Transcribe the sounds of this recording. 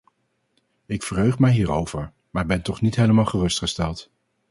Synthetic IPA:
ɪkfəɹɦøɥχmɛjɦiːɹowv̥əɹ | maːɹbɛntɔχnitɦejləmɑːlˠχərɵstχəstɛlˠt

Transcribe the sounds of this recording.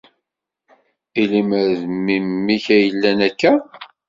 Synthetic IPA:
iliməɾðmimːiçæjəlːænækːæ

